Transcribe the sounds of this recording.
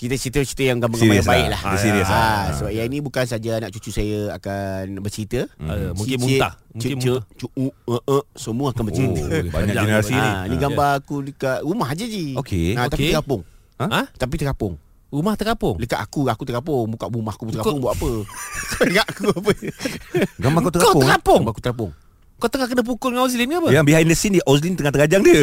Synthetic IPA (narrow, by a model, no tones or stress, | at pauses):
kit̪ət͡ʃəɾit̪̬əət͡ʃit̪əjaŋɡambaŋɡadabaɪʔlahiasəbap̚jainĩbukans̬ad͡ʒanaʔt͡ʃut͡ʃusajəakanbət͡ʃəɾit̪ə | uat͡ʃət͡ʃət͡ʃuuəʔəsəmuakanbət͡ʃɾit̪əbaɲaənəɾasiiniɡabaakuləkaʔɾumaɦad͡ʒad͡ʒiokeãt̪apit̪kapʊŋ | at̪ap̬it̪əkapʊŋ | rumaht̪əkapʊŋləka̰ʔakuakut̪əkapʊŋbukaʔbumahkubut̪əkapʊŋbaaʔapəkəŋaʔkupə | ɡambakat̪əkat̪əapʊŋbakut̪əkap̬ʊŋ | kat̪əŋahkənəp̬ukʊlŋaoslinapəabiɦainəsindiʔɔs̬lint̪əŋaht̪əɡad͡ʒaŋdə